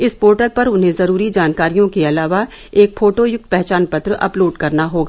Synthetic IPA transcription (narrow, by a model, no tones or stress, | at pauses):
ɪspoːɾʈəɾpɐɾʊnɦẽzɐɾuːɾid͡ʒaːnkaːɾijõkeɐlaːʋa | eːk̚fʰoːʈojʊɡ̚t̪̚pɛɦt͡ʃaːnpɐt̪ɾəʔɐ̰ploːɖkɐɾnaɦoːɡaː